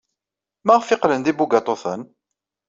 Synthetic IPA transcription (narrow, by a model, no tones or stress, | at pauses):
mæʁəfɪqlənd̪ibuɡɑt̪ˤoθən